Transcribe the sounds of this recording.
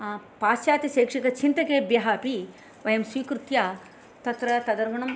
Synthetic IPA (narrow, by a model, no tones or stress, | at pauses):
paːsaːt̪jɐseːkʂikɐt͡ʃʰint̪ɐkeːbjɐɦaːpi | ʋɐjɐmsʋiːkɾut̪jaː | t̪ɐt̪ɾɐt̪ɐd̪ɐɾmɐɳɐm